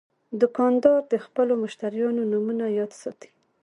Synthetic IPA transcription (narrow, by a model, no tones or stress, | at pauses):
d̪ʊkɑnd̪ɑɾd̪əxpəlomʊʃt̪aɾijɑnonumunajɑd̪sɑ̰t̪i̥